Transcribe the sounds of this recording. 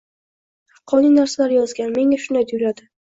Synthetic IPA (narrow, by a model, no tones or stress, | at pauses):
hqʰːɒnijnaɾsalaɾjɒzɡʲanme̞ŋaʃʊnajt̪ʰɪjʊɾad̪ɪ